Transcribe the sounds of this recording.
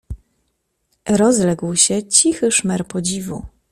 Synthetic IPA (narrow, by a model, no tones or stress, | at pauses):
ɾɔzlɛɡwɕɛt͡ɕixɘʂmɛɾpɔd͡ʑivu